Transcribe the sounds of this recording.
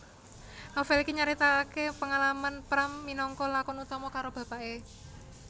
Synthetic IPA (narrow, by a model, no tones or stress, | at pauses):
nofɛlikiɲaɾit̪akepəŋalamanpɾamːinɔŋkɔlakɔnut̪ɔmɔkaɾob̥ä̤pae